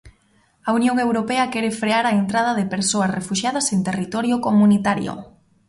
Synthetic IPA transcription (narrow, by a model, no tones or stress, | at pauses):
ɐunjoŋewɾopɛɐkɛɾɪfɾeaɾɐent̪ɾað̞ɐðɪpeɾsoɐsrefuʃjað̞ɐsent̪erit̪ɔɾjokomunit̪aɾjo̰